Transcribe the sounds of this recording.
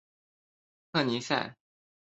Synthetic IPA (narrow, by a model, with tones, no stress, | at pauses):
kʰɤ˥˩ni˧˥sa˥˩ɪ